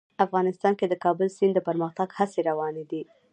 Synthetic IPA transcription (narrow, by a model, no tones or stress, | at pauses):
afɣɑnɪst̪ɑnked̪əkɑbəlsind̪əpəɾməxt̪aɡhaseɾawɑned̪i